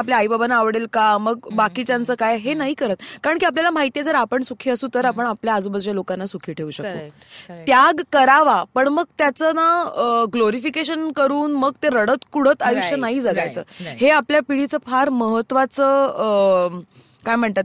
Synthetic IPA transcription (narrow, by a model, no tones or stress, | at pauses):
apljaːjbabanaːʋɽelkaməɡbakit͡ɕjant͡səːkajɦenaɦiːkəɾət̪̚kaɾəɳkiap̬ljalam̤aɦit̪ijed͡zəɾapəɳsukʰiːəsũːt̪əɾapəɳapljaːd͡zoubəd͡zʋalokanːasukʰiːʈʰeuɕəkt̪o̰ | t̪jaɡkəɾaʋapəɳməɡt̪jat͡sənaɡloɾifikeɕənkəɾuːnməɡ̚t̪eɾəɽət̪kuɽ̤ət̪ajuʂənaɦiːd͡zəɡajt͡səːɦeapljapiɽ̤it͡səfʰaɾməɦət̪ːʋat͡səː | kajm̤əɳt̪at̪̚